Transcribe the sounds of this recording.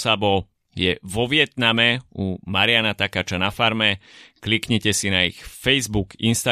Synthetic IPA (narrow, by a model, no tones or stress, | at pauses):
sabɔ | jɛʋɔʋɪɛt̪namɛumaɾɪanat̪akaːt͡ʃanafaɾmɛklikɲɛcɛsinaḭxfɛjzbukinst̪a